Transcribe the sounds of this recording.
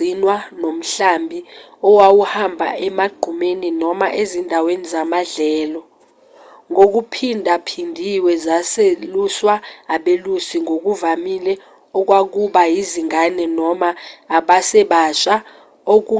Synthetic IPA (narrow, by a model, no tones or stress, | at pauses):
inwanom̩ɬambʱi | ɔwawuhambʱa̰ʔɛmaɡ͡ǃʱumeninɔmaʔezindʱawenizamaɮɛːlɔ | ŋok̬upʰindʱapʰindʱiwɛzaseluswaːɓelusiŋok̬uvamilɛ | ɔk̬wak̬uɓajiziŋanɛnɔmaːɓasɛɓaʃa | ok̬u